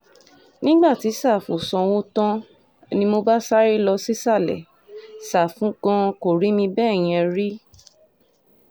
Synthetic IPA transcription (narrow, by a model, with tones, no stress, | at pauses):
nĩ˦ɡ͡ba˦˨ti˨˦sa˦˨fo˨sɔ̃˧w̃õ˦tã˦ | nĩ˧mo˧ba˦sa˦ɾi˦lɔ˧si˦sa˦˨lɛ̰˨ | sa˦˨fũ˨˦kɔ̃˧ko˨ɾi˨˦mĩ˧bɛ˦˨j̃ĩ˧ɛ˧ɾi˦